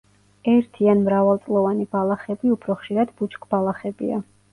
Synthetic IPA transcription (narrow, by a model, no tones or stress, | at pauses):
ɛɾt̪ʰianmɾavalˠt̪sʼlˠɔvanibalˠaχɛbiupʰɾɔχʃiɾad̪but͡ʃkʰʼbalˠaχɛbḭa